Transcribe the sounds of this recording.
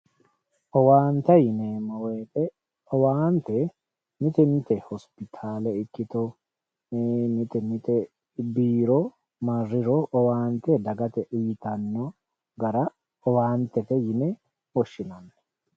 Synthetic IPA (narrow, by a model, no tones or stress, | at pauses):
ʔɔwaːnt̪ɐjɪnemɔweːt̪ɛ | ɔwaːnt̪ɛ | mɪt̪ɛnɪt̪ɛhɔspɪt̪ʰaːlɛɪkːɪt̪o | nɪt̪ɛnɪt̪ɛ | biːɾɔ | mɐrːɪɾoɔwaːnt̪ɛd̪ɐɡɐt̪ɛʔɪjt̪ɐnːɔ | ɡɐɾɐ | ɔwaːnt̪ɛt̪ɛjɪnɛ | wɔʃːɪnɐnːɛ̥